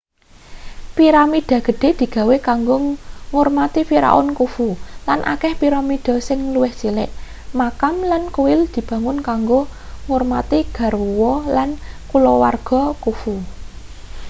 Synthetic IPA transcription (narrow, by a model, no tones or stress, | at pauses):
piɾamid̪̥a̤ɡ̥ə̤ɖ̥e̤d̪̥i̤ɡ̥ä̤wekaŋɡoŋʊrmat̪ifiɾa̰ʔʊ̰nkufulanʔa̰kɛhpiɾamid̪̥ɔ̤sɪŋluwɪhsilɪ̰ʔ | makamlankuwɪld̪̥i̤b̥ä̤ŋʊnkaŋɡoŋʊrmat̪iɡ̥a̤ruwɔlankulɔwa̰rɡ̥ɔ̤kufu